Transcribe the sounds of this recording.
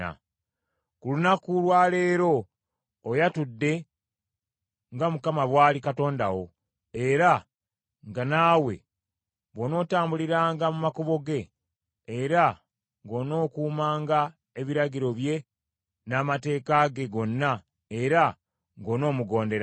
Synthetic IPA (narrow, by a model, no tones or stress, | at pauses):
a̰ | kulunakulwaːle̞ːɾo̞ː | jatudːe̞ | ŋɡamukamaβwaːlikato̞ːndawo̞ | e̞ɾa | ŋɡanaːwe̞̰ | βono̞ːtaːmbuliɾaːŋɡamumakoβo̞ɡe̞ː | ɾa | ŋɡo̞ːno̞ːkuːmaːŋɡa | e̞βiɾaɟiɾo̞βje̞ | naːmate̞ːkaɡe̞ɡo̞nːa | e̞ɾa | ŋɡo̞ːno̞ːmuɡo̞ːnde̞ɾa